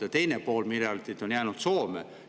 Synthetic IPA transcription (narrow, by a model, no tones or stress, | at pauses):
ɑt̪e̞jnepoːlmilælt̪it̪onjæːnut̪soːmḛ